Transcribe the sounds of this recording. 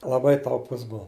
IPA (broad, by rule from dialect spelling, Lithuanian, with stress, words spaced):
lˠɐˈbɐɪ tɐʊˈpʊs ˈbuɔ